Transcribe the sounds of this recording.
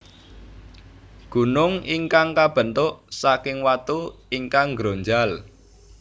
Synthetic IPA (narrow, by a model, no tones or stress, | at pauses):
ɡ̥ṳnʊŋiŋkaŋkab̥ə̤nt̪ʊʔsakɪŋwat̪uiŋkaŋɡɾoɲd͡ʒal